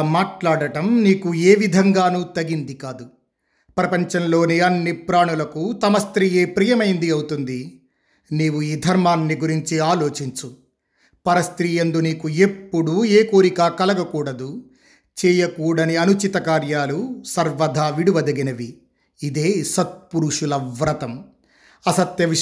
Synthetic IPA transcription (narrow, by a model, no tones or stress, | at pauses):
maːʈlaːɽɐʈɐmniːkueːʋid̪ʱɐŋɡaːnuːt̪ɐɡind̪ikaːd̪u | pɾɐpɐɲt͡ʃɐnlo̞ːniɐnːipɾaːɳulɐkut̪ɐmɐst̪ɾiːje̞ːpɾijɐmɐjind̪iɐwut̪und̪i | niːwuiːd̪ʱɐɾmaːnːiɡuɾiɲt͡ʃiaːlo̞ːt͡ʃiɲt͡ʃu | pɐɾɐst̪ɾiːjend̪uniːkue̞pːuɽueːkoːɾikaːkɐlɐɡɐkuːɽɐd̪u | t͡ʃɛːjɐkuːɽɐniɐnut͡ʃit̪ɐkaːɾjaːlusɐɾʋɐd̪ʱaːʋiɽuʋɐd̪eɡinɐʋiː | d̪eːsɐt̪̚puɾuʂulɐʋɾɐt̪ɐm | ɐsɐt̪jɐʋi